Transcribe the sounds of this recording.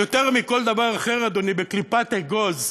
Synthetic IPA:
ot̪eʁmiko̞ld̪avaʁaχeʁad̪onibeklipat̪eɡoz

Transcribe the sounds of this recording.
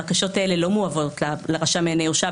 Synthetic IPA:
ʁkaʃo̞taele̞lo̞muavo̞tlaleʁaʃameaneuʃa

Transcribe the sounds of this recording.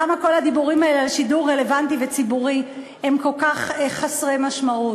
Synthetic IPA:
amako̞lhad̪ibuʁimaelealʃiduʁːe̞le̞vant̪ivet͡sibuʁi | e̞mko̞lkaχeχasʁemaʃmau

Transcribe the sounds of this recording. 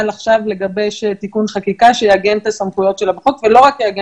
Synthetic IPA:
laχʃavle̞ɡabeʃet̪ikunχakikaʃejeaɡent̪asamχujo̞tʃe̞labaχokvelo̞ʁakjeaɡe

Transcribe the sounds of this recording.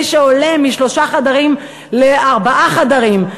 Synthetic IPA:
ʃeolemiʃlo̞ʃaχad̪aʁim | leaʁbaʔaχad̪aʁim

